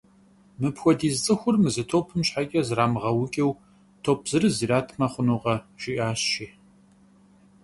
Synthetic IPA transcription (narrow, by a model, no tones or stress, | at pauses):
mɨpxʷɔdiːzt͡sʼɨxʷʊrmɨzɨtʰoːpʰɨmɕħakʲʼɐzraːmʁɐwʊkʲʼɛw | tʰoːp̚ʰz̥ɨrɨziːɾaːtʰmɐχʷʊnuːqɐʒ̥ɪʔaːɕʃiː